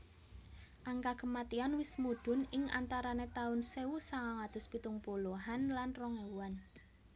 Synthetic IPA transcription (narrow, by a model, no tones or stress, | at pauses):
ʔaŋkakəmat̪ianwɪsmud̪̥ʊ̤nɪŋa̰nt̪aɾanet̪aʊnseusaŋaŋad̪̥ʊ̤spit̪ʊŋpoloɦanlanrɔŋeuan